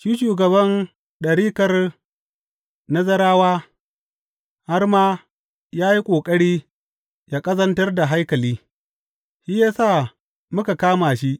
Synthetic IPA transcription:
ʃiː˦ʃuː˨ɡɐ˨bɐ˦n | ɗɐ˨ɽiː˦kɐ˦r | nɐ˦zɐ˦ɾaː˦waː˦ | ha˦rmaː˦ | jaː˦ji˦kʷʼoː˨kʼɐ˦ɽiː˦ | jaː˦kʼɐ˦zɐ˦ntɐ˦rda˨ɦa˦jkɐ˨liː˦ | ʃiː˦jaː˦saː˦˨ | mʊ˦ka˨kaː˦maː˨ʃi˦ʔ

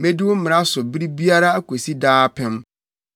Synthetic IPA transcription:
me˦dɪ˦wʊ̃˦m̩˦mɪ̃˨ɾa˦sʊ˨bi˦ɾi˦bi˦a˦ɾa˦kʷʰo˨si˦daː˦pʰɛ̃˦m

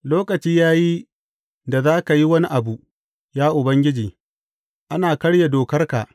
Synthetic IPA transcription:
loː˦kɐ˨t͡ʃiː˦jaː˦ji˦ | da˨zaː˦ka˨ji˦wɐ˦ni˦ʔa˨bu˨ʔ | jaː˦ʔʊ˨bɐ˦ŋɡʲɪ˦d͡ʒiː˨ | ʔa˦naː˨kɐ˦ɽja˨doː˨kɐ˦rka˨ʔ

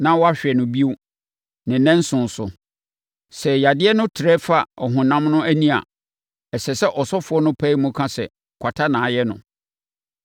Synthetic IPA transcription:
nã˦wɔ˦a˦ɕᶣɛ˨nʊ̃˨bi˦o˦ | nɪ̃˨nɛ̃˦n̩˦sʊ̃˨n˨sʊ˨ | sɛ˨ja˨dɪ˦ɛ˦nʊ̃˦tʰɪ˨ɾɛ˦fa˨ɔ˨ɦʊ̃˨nã˦mnʊ̃˦æ˦nĩ˦a̰˨ | ɛ˨sɛ˨sɛ˦ʔɔ˨sɔ˦fʊ˨˦ɔ˦nʊ̃˦pʰæ˦i˦mʊ̃˦kʰã˦sɛ̰˨ | kʷʰa˨tʰa˦nãː˨˦jɛ˦nʊ̰̃˨

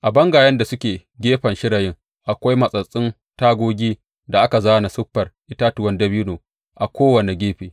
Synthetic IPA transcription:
ʔa˨bɐ˦ŋɡaː˨jɐ˦nda˨sʊ˦kʲeː˨ɡʲeː˦ɸɐ˨nʃɪ˦ɽa˨jɪ˦ŋ | ʔa˨kʷa˦jmɐ˨sʼɐ˨sʼɪ˦n | taː˦ɡʷoː˦ɡʲiː˦ | da˨ʔa˦ka˨zaː˦na˨sʊ˦ɸːɐ˨rʔɪ˦taː˦tʊ˨wɐ˦ndɐ˦biː˦noː˨ | ʔa˨kʷoː˦wɐ˨ne˨ɡʲeː˦ɸeː˨

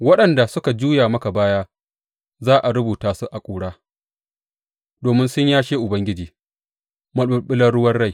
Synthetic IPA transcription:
wɐ˦ɗɐ˨nda˨sʊ˦ka˨d͡ʒuː˦jaː˨mɐ˦ka˨baː˦jaː˦ | zaː˦ʔa˨ɽʊ˦buː˨taː˨su˦ʔa˨kʷʼuː˨ɽaː˦ | doː˨mɪ˦nsʊ˦ɲjaː˦ʃeː˦ʔʊ˨bɐ˦ŋɡʲɪ˦d͡ʒiː˨ | mɐ˦˨ʊ˦ɓɪ˦lɐ˦ɽʊ˦wɐ˦rɽa˦˨j

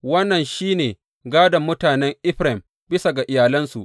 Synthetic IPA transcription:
wɐ˦nːɐ˨nʃiː˦neː˨ | ɡaː˦dɐ˨mːʊ˦taː˨nɛ˦ŋʔɪ˦ɸɾɛ˨m | bɪ˦sa˨ɡa˨ʔɪ˨jaː˨lɐ˦nsu˨ʔ

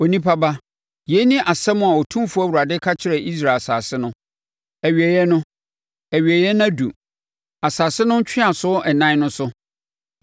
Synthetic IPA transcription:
o˨nĩ˦pʰa˦ba˦ | je˨˦nĩ˦ʔa˨sɛ˦mʊ̃˦a˨ɔ˨tʰũ˦mfʊ˦æ˦˨wu˨ɾa˨dɪ˦kʰa˦t͡ɕʰɪ˨ɾɛ˨ʔi˦s̬ɾaː˨sa̰ː˨sɪ˦nʊ̃˦ | æ˨ɥi˨ɛ˨jɛ˦nʊ̃˦ | æ˨ɥi˨ɛ˨jɛ˦nã˦dṵ˨ | a˨saː˨sɪ˦nʊ̃˦n̩˦t͡ɕʰᶣɪ˦a˨sʊ˦ʔɛ˨nã˦nʊ̃˦sʊ˦

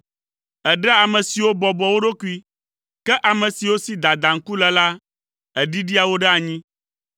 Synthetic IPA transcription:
ɛ˨ɖɛ˦a˨mɛ̃˨si˨wo˦bɔ˨bɔ˨wo˦ɖo˦ku˦i˦ | kɛ˦ʔa˨mɛ̃˨si˨wo˦si˦d̪a˨d̪a˨ŋ̩˦ku˦lɛ˨la˦ | ɛ˨ɖi˦ɖi˦a˨wo˦ɖɛ˦a˨ɲĩ˦

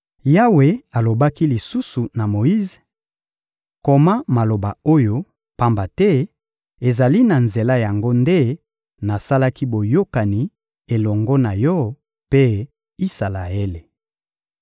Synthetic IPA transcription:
ja˦we˨a˨lo˨ba˦ki˦li˨su˦su˨na˨mo˨i˦z | ko˨ma˦ma˨lo˨ba˨o˦jo˦ | pa˦mba˨tɛ˦ | e˨za˨li˦na˨nze˨la˦ja˨ŋɡo˦nde˦ | na˨sa˦la˦ki˦bo˨jo˦ka˨ni˨ | e˨lɔ˨ŋɡɔ˦na˨jɔ˦ | pe˦ | i˦sa˨la˨e˦le˨

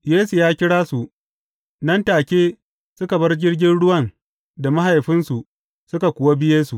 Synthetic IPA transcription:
jeː˦su˨jaː˦kʲɪ˦ɽaː˦su˨ʔ | nɐ˦ntaː˨kʲeː˦ | sʊ˦ka˨bɐ˦rd͡ʒɪ˦rɡʲɪ˦nɽʊ˦wɐ˨n | da˨ma˦ɦa˨jɸɪ˦nsu˨ | sʊ˦ka˨kʷʊ˨wa˦bɪ˦jeː˦su˨

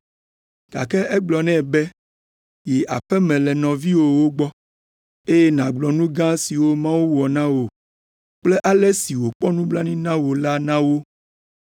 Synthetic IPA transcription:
ɡ̥a̰˨kɛ˦ɛ˦ɡ͡blɔ˨nɛ̃˦˨bɛ˦ | ji˨ʔa˨ɸɛ˦mɛ̃˨lɛ˨nɔ̃˨vi˦wo˨wo˦ɡ͡bɔ˦ | e˦jɛ˦nã˨ɡ͡blɔ˨nũ˦ɡã˦si˨wo˦mã˦wu˦wɔ˨nã˦wo˨ | k͡ple˦ʔa˦lɛ˦si˨wo˨k͡pɔ˦nũ˦bla˦nĩ˦nã˦wo˨la˦nã˦wo˦

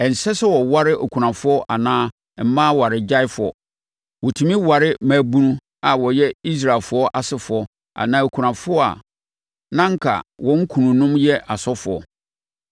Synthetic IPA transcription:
ɛ˨n̩˨sɛ˦sɛ˦wɔ˨wa˦ɾɪ˦ʔo˨kʰu˨ɾã˨fʊ˦ɔ˦ʔa˨nãː˦˨ | m̩˦mãː˦wa˨ɾɪ˨d͡ʑa˦ɪ˦fʊ˨ɔ̰˨ | wɔ˨tʰũ˨mĩ˦wa˨ɾɪ˦maː˨bu˦nũ˦ | a˨wɔ˨jɛ˦i˦s̬ɾa˨lfʊ˨˦ɔ˦ʔa˨sɪ˦fʊ˨ɔ˨ | a̰˨nãː˨˦o˨kʰu˨ɾã˨fʊ˦ɔ˦a̰˨ | nã˦ŋ̩˦kʰa̰˨wɔ̃˦ŋ̩˦kʰũ˨nũ˨nʊ̃˦mjɛ˦ʔa˨sɔ˦fʊ˨ɔ̰˨

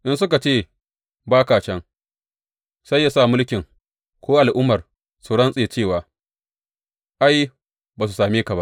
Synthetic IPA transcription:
ʔɪ˦nsʊ˦ka˨t͡ʃeː˦˨ | baː˦kaː˨t͡ʃɛ˦ŋ | sa˦jːa˨sa˦˨mʊ˦lkʲɪ˨ŋ | kʷoː˦ʔa˨lʔʊ˦mːɐ˨r | su˨ɽɐ˦nsʼeː˨t͡ʃeː˦˨waː˨ | ʔa˦j | baː˨s̬u˨saː˨meː˦ka˨ba˦ʔ

